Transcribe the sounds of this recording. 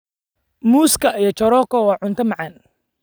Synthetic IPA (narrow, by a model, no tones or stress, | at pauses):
muːskʰɐijɞt͡ʃɔɾɔːkʰɔwɑːʕʊnt̪ʰɐmɑʕɑn